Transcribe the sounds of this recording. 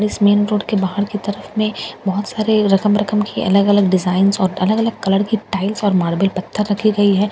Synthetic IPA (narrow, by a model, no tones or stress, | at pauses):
ɽismeːnɾoːɖkebaːɦəɽkit̪ɐɾəfmẽbɔɦʊt̪saːɾeɾɐkəmɾɐkəmkʰiʔɐ̰ləɡɐləɡɖɪzaːɪnzɔːɾɐləɡɐləɡ̚kɐləɽkiʈaːɪlsɔːɾmaːɾbɪlpɐt̪ʰːəɾːɐkʰiɡɐiɦɛː